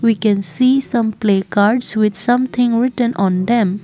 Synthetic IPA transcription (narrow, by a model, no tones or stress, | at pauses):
wikɛ̃nsisʌ̃mplekaɾɖswɪd̪sʌ̃mt̪ʰɪ̃ŋɹɪtə̃nʔɔ̃nd̪ɛ̃m